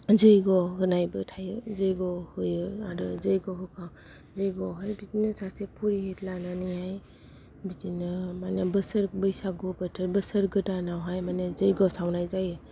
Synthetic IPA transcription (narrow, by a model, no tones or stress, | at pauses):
zɯjɡɔɦɯnajbɯtʰajɯzɯjɡɔhɯjɯaɾɯzɯjɡɔɦɯkʰa | zɯjɡɔɦɯɾbitinɯsasepʰuɾiɦetʰlananiaj | bitinɯmanebəsəɾbɯjsaɡɔbɯtʰɯbəsəɾɡɯdanawɦajmanɯzɯjɡɔsawnajzajɯ